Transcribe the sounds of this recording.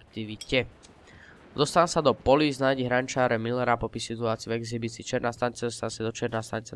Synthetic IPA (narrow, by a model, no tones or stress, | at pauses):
k̚t̪iʋicɛ | d̪ɔst̪ansad̪ɔpɔliznajɟiɦɾant͡ʃaːɾɛmilɛɾapɔpisit̪uaːt͡siuvuɛɡzibit͡siːt͡ʃɪɛɾnaːst̪aɲit͡sɛd̪ɔst̪ansad̪ɔt͡ʃɪɛɾnaːst̪aɲit͡sa